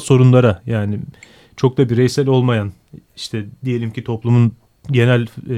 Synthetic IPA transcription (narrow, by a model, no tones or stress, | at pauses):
so̞ɾunlˠaɾajaːnɪ | t͡ʃʰo̞k̚d̪abiɾejsælʲo̞lˠmajan | iʃt̪ʰɛd̪ije̞lʲimcit̪ʰo̞plˠumun | ɟe̞nælʲ